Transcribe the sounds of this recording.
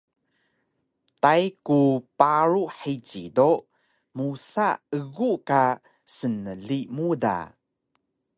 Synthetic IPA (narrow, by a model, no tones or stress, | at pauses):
tajkupaɾuħit͡ɕido | musa̰əɣuka | sənəɮimuda̰